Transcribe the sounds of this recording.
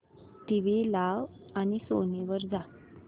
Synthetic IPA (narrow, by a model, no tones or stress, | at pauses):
t̪iʋelaʋ | aniso̰niʋəɾd͡za